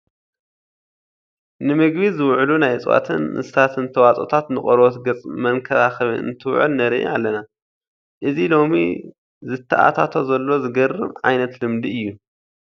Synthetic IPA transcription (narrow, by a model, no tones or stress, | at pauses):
nɨmɨɡbizɨwʕlunajt͡sʼwa̰t̪ʰɨnːɨ̰sat̪ʰɨnt̪ʰɐwat͡sʼo̞̰t̪ʰat̪nɨχʼɐɾwot̪ɡɐt͡sʼmɐŋkʰɐɾaxɐβɨ̰ɨ̰nt̪ʰɨwʕɨ̰lnɐɾḭʔalːɐna | ʔɨzilo̞mḭ | zɨt̪ʰːɐʔa̰t̪ʰat̪ʰozɐlːo̞zɨɡɐrːɨβʕajnɐt̪lɨmd̪iɨjːu